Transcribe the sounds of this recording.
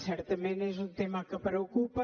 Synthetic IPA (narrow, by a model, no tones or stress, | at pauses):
sɛɾt̪ɐmẽnezũt̪emɐkɨpɾeokupɐ